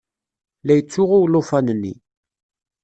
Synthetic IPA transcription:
læjət͡sːʊʁuwlofænnːḭ

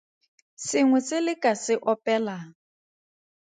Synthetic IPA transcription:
sɪŋwɛt͡sʼɪlɪkʼasɪʔɔpʼɛːla

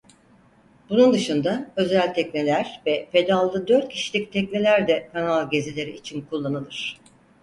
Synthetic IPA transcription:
b̥unund̪ɯʃɯnd̪aø̞zælʲt̪ʰɛcne̞lʲæɾ̥vɛpʰe̞d̪alˠd̪ɯd̪øɾt̪̚cʰiʃilʲic̚t̪ʰɛcnʲe̞lʲæɾd̪ɛkʰanalˠɟe̞zilʲe̞ɾiit͡ʃʰinkʰulˠːanɯlˠɯɾ̥

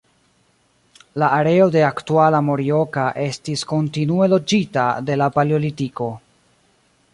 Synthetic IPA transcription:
laaɾe̞o̞de̞aktualamo̞ɾio̞kaʔe̞stisko̞ntinue̞lo̞d͡ʒitade̞lapaljolitiko̞

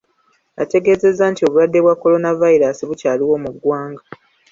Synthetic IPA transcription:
a̰te̞ɡe̞ːze̞zːaːntio̞βulwadːe̞βwakːo̞lo̞navaiɾasiβucaːliwo̞ːmuɡwaːŋɡa

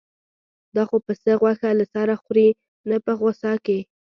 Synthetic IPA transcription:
d̪ɑxopəsəɣwaxalasɑɾaxɾi | napəɣosɑke

